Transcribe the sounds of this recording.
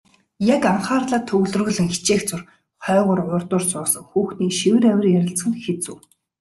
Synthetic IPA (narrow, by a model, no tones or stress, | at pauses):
jakaɴχaːrɮaːt̪ʰɵɣɮɵ̆rɵ̆ɣɮɘ̆ŋxi̥t͡ɕeːxt͡sʊr | χœːʁʊ̆rʊrt̪ʊrsʊːsə̆ŋxuːxniːkʃiwɘ̆ɾæwʲɪ̆rjæɾʲɪ̆ɬt͡sχɘ̆nxet͡suː